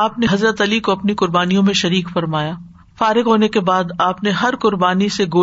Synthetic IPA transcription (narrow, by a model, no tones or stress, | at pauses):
aːpneɦɐzɾət̪ɐlikoɐpnikʊɾbaːnijõmẽʃɐɾiːkfɐɾmaːjaː | faːɾɪɡɦoːnekebaːd̪aːpneɦɐɾkʊɾbaːniseɡoː